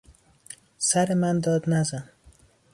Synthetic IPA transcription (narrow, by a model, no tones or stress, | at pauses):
saɾɪmand̪ɒd̪nazan